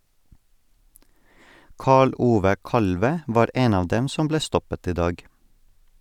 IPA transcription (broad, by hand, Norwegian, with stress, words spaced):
ˈkɑːɭ ˈʔuːʋə ˈkɑlʋə ˈʋɑːɾ ˈeːn ˈɑːʋ ˈdɛm ˈsʊm ˈbleː ˈstɔpət ˈiː ˈdɑːɡ